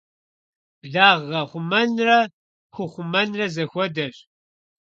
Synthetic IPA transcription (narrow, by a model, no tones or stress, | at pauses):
ɮaːʁːɐχʷʊmɐnrɐ | xʷʊχʷʊmɐnrɐzɐxʷɔdɐɕ